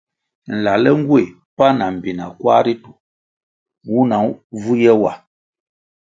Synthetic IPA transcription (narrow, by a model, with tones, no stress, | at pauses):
n̩˨la˨lɛ˦ŋ̩˦ɡwe˦˨ | pa˦na˨m̩˨bi˨na̰˨kwa˦ɾi˦tu˨ | wu˦na˨˦vu˦jɛ˦wa˨